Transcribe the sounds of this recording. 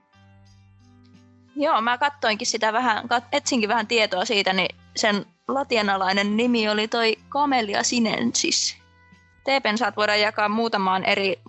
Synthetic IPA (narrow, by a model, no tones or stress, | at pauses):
joːmækɑt̪ːo̞iŋkissit̪æʋæɦækɑet̪siŋkiʋʋæhænt̪ie̞t̪oɑsiːt̪æni | sen | lɑt̪iɑnɑlɑinenːimio̞lit̪o̞ikɑmeliɑ̰sinḛnsḭs | t̪eːpensɑːt̪ʋo̞iɾɑjɑkɑːmmuːt̪ɑmɑːnʔeɾi